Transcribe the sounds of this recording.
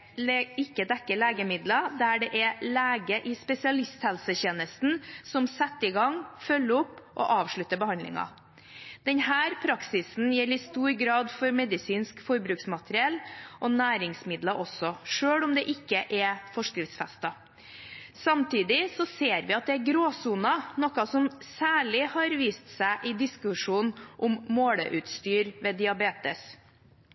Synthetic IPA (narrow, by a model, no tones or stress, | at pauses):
ɪkːəd̪ɛkːəɭeːɡəmɪd̪lɑd̪æɖɛʔɛlæːɡəʔɪspɛsɪɑlɪst̪hɛlsəçeːnəst̪n̩sɔmsɛt̪ːɪɡɑŋfœlːəɔpːʔɔ̰ʔɑːʋʂɭʉt̪ːəbəhɑnd̪lɪ̰ŋɑ̰ | d̪̥ɛnhæːɾpʰɾɑksɪsn̩jɛlɪst̪uːɾɡɾɑːd̪fɔɾmɛd̪ɪsiːnskfɔɾbɾʉːksmɑt̪əɾɪɛlːʔɔnæːɾɪŋsmɪd̪lɑʔɔsːɔʂøːɽʊmd̪ɛʔɪkːəʔɛfɔʂkɾɪft̪sfɛst̪ɑ | sɑmt̪ʰiːd̪ɪsɔseːɾʋɪɑt̪̚d̪ɛæɾɡɾoːsʊnɑnɔkɑsɔmsæːɭɪhɑɾʋiːst̪sæɪʔɪd̪ɪskʉʂuːnʔʊmːoːɽəʔʉt̪st̪yːɾʋeːd̪ɪɑbeːt̪əs